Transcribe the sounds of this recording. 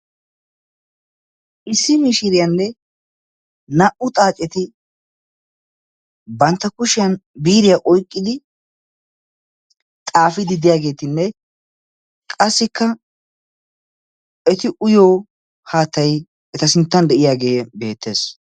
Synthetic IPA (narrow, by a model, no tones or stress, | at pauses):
ʔɪsːɪmɪʃɪɾɪjɐnːɛ | nɐʔʊt̪ʼaːt͡ʃʼɛt̪ɪ | bɐnt̪ːɐkʊʃɪjɐnbiːɾɪjaʔɔjkʼːɪd̪ɪ | t̪ʼaːfɪd̪ɪd̪ɪjaːɡe̞ːt̪ɪnːɛ | kʼɐsːɪkːɐ | ɛt̪ɪʔʊjoː | haːt̪ːɐj | ɛt̪ɐsɪnt̪ːɐnd̪ɛʔɪjaːɡeːbe̞ːt̪ːe̞ːs